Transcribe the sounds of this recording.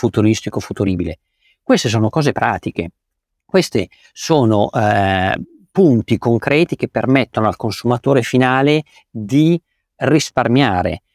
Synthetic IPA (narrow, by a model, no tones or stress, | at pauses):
fut̪uɾist̪ikofut̪uɾiːbile | kwest̪es̬oːnokɔːzepɾaːt̪ik̟e | kwest̪ḛ | soːnoʔ | punt̪ikoŋkɾɛːt̪ik̟epːermet̪ːonoalkonsumat̪oːɾefinaːle | d̪i | risparmjaːɾḛ